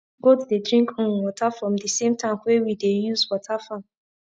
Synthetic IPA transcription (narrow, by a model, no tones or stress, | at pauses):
ɡotudedɹĩŋkʰɔ̃nwɔtʰafɹɔ̃mdisẽmtʰãɪ̃mwewidejuzwɔtʰafãm